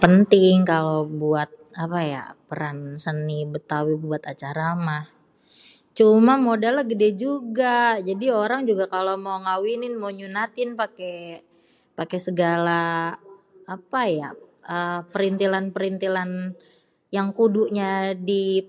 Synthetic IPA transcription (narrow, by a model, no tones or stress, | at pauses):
pənt̪ɪŋkalobuat̪̚apaja̰pəɾansənibət̪awibuat̪at͡ʃaɾamah | t͡ʃumamodalːaɡədɛd͡ʒuɡad͡ʒadioɾaŋd͡ʒuɡakalomawŋawinɪnmawɲunat̪ɪnpake | pakesəɡalaː | paja̰əpəɾint̪ilanpəɾint̪ilan | jaŋkuduʔɲadi